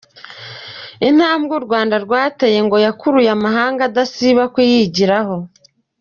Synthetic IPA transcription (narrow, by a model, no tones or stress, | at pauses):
in̥haːmɡuɾɡwaːndaɾɡwaːteje̞ŋɡo̞jakuɾujamaɦaːŋɡadasiβakujiɟiɾaho̞